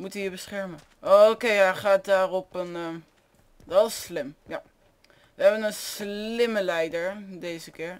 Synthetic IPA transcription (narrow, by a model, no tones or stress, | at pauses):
mutəjəbəsχɛɹmə | ʔookejaχaːt̚daːrɔpənə | dɔlslɪmja | ʋəɦɛbənənslɪməlɛjdəɹdejzəkɪːɹ